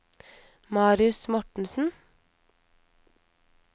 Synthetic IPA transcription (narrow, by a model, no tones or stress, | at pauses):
mɑːɾɪʉsmɔʈɳ̩sn̩